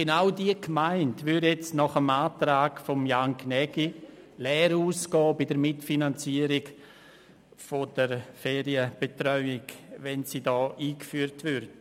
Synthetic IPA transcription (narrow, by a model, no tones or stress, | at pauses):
ɡ̥enaʊdiəkmaɪntʋʏɾjɛt͡stnɔχəmaːtɾaːɡfɔmjaŋknɛɡ̥i | lɛːɾuːsɡ̥ɔːbɪdəɾmɪtfinant͡siːəɾɪɡ | fod̥əɾfɛːɾiəb̥etɾœʏɪɡʋɛnsiːdɔːʔiːkfyːəɾtʋʏɾd